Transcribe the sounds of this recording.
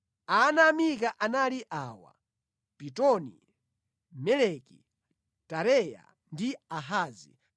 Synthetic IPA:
anamik̬aʔanaliʔaːwa̰ | pitɔnḭ | mɛlɛki | taɾɛja̰ | ndiaɦaːzḭ

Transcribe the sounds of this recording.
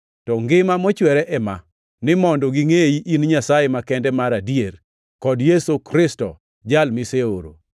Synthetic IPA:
tɔŋɡɪmamɔt͡ʃwɛɾɛʔɛma̰ | nɪmɔndɔɡɪŋeiʔinɲasajemakɛndɛmaɾadijeɾ | kɔdjesokɾɪstɔ̰ | d͡ʒalmɪseoɾo̰

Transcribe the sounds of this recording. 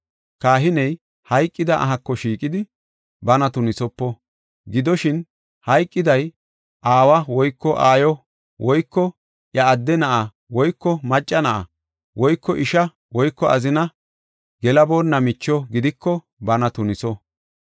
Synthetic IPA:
kaːɦɪnɛj | hɐjkʼːɪd̪ɐʔɐ̰ɦɐkːɔʃiːkʼɪd̪ɪ | bɐnɐt̪ʊnɪsɔpːɔ | ɡɪd̪ɔʃɪn | hɐjkʼːɪd̪ɐj | ʔaːwɐwɔjkːɔʔaːjɔ | wɔjkːɔ | ʔjɐːd̪ːɛnɐʔɐ | wɔjkːɔmɐt͡ʃʼːɐnɐʔɐ̰ | wɔjkːɔʔɪʃɐ | wɔjkːɔɐzɪnɐ | ɡɛlɐbo̞ːnːɐmɪt͡ʃːɔɡɪd̪ɪkːɔ | bɐnɐt̪ʊnɪsɔ

